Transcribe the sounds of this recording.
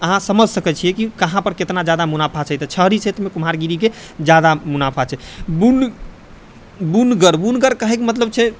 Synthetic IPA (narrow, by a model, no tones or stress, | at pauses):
əɦãsəməd͡ʒʱsəkɛt͡ʃʰijɛkikəɦãpəɾket̪nad͡ʒjad̪amunapʰat͡ʃʰɛjt̪ət͡ʃʰəɦɾit͡ʃʰɛt̪mekumaɾɡiɾike | d͡ʒjad̪amunapʰat͡ʃʰɛbun | bunɡəɾbunɡəɾkəɦɛkmət̪ləb̚t͡ʃʰɛ